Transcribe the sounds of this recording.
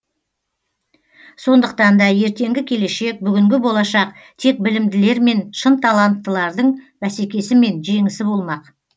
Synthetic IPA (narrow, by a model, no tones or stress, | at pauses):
so̞nd̪əq̚t̪ɑnd̪ɑje̞ɾt̪e̞ŋɡʲɪkʲʰe̞le̞ʃe̞k̚bʏɡʲɪŋɡʲɪbo̞lˠɑʃɑq̚ | t̪ʰe̞k̚bɪlɪmd̪ɪle̞ɾme̞nʃənt̪ʰalˠɑnt̪ːəlˠɑɾd̪əɴbæse̞kʲe̞sɪme̞nʒe̞ŋɪsɪbo̞lˠmɑq